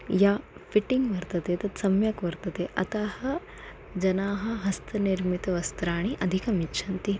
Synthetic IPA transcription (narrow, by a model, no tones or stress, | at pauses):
jaːfiʈiŋɡʋɐɾt̪ɐt̪et̪ɐt̪sɐmjɐkʋɐɾt̪ɐt̪eʔɐt̪aːhɐ̆ | d͡ʒɐnaːɦɐ̆ɦɐst̪ʰɐniɾmit̪ɐʋɐst̪ɾaːɳ̃iʔɐd̪ʱikɐmitːt͡ʃʰɐnt̪i